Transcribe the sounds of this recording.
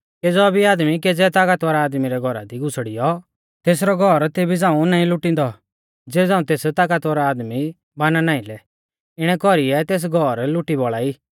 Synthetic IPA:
ked͡zɔbʱiaːd̪mikɛd͡zɛt̪aːkat̪ʋaɾaaːd̪miɾɛɡʱɔɾa̰d̪iɡʊsɽijɔ | t̪eːsɾɔɡʱɔɾt̪eːbʱid͡zãːũnãːĩlʊʈĩnd̪ɔ | d͡zeːd͡zãːũt̪eːst̪aːkat̪aɾaaːd̪mi | baːnanaːĩlɛ | ɪɽ̃ɛkɔɾiɛt̪eːs̬ɡʱɔɾlʊʈibɔɭaːiː

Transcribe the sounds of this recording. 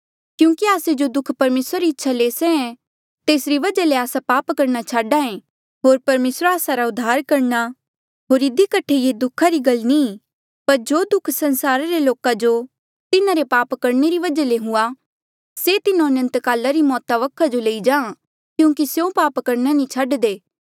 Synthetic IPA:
kjũːkiaːsed͡ʒod̪ʊkʰpɐɾmeːsɾaɾiɪtːʃʰaleːseɛ̃ | t̪eːsɾiʋɐd͡ʒaleaːsapaːpkɐɾnat͡ʃʰaːɖaẽ | ɦoːɾpɐɾmeːsɾaːsaɾaʊd̪ʱːaːɾkɐɾna | ɦoːɾɪd̪ikɐʈʰejed̪ʊkʰaɾiɡɐlnĩː | pɐɾd͡ʒoːd̪ʊkʰsɐ̃nsaːɾaɾeloːkad͡ʒo | t̪ɪnaɾepaːpkɐɾneɾiʋɐd͡ʒaleɦʊa | set̪ɪnãɐnə̃nt̪kaːlaɾimɔːt̪aʋɐkʰːad͡ʒoleid͡ʒãː | kjũːkisjõpaːpkɐɾnanĩt͡ʃʰaːɖd̪eː

